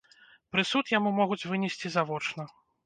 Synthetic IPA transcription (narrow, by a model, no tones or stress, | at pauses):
pɾɨsut̪jamumɔɣut͡sʲvɨnʲɛsʲt͡sʲizavɔt͡ʂnɐ